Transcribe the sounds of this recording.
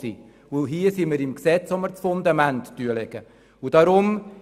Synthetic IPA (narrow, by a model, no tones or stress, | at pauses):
ḭ | uɦiəsiməɾɪmksɛt͡sɔməɾt͡sfʊnd̪ɑmæntd̥yəlɛɡ̥ə | ud̥ɑɾʊm